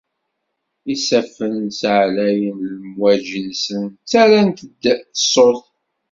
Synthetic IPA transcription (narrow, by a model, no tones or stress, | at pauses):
isæfənsʕlæjəmləmwæʒənsənt͡sːæɾænt̪əd̪ə̥sˤoθ